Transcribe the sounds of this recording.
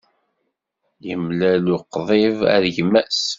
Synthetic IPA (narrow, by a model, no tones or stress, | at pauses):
jəmlælʊqðˤevæ̰ɾʝmːæs